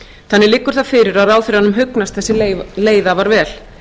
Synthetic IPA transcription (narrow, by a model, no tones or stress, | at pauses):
θanːɪlɪkːʏɾ̥θafɪɾɪɾaðaːwθɪɾ̥hanːʏmɦʏknast̪θɛsːɪleːjðavaɾvɛːl̥